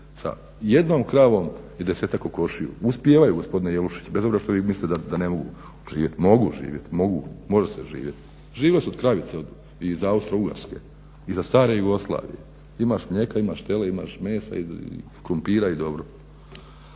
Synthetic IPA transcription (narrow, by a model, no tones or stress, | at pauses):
sa̰ | jed̪noːmkɾaːʋom | id̪ese̞t̪akoko̞ʃijṵuspjeːʋajuɡo̞spo̞d̪inejeluʃi̥t͡ɕbe̞zobɾeʃt̪oʋimislit̪d̪ad̪ane̞mo̞ɡu | ʒ̥iːjet̪mo̞ɡuʒḭːʋjet̪mo̞ɡumo̞ʒeseʒḭːʋjet̪ | ʒiːʋesod̪kɾaʋit̪seod̪ | izaaust̪ɾouɡa̰ɾske̞̰ | izast̪aːɾe̞juɡo̞slˠa̰ːʋḭjḛ | imaːʃmɲe̞kaimaʃt̪e̞leima̰ːʃme̞ːsa̰ḭ | kɾumpiːɾaid̪o̞bɾo